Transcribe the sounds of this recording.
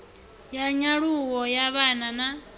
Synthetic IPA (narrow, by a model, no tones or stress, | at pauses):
jaɲaɺuwɔjaβanana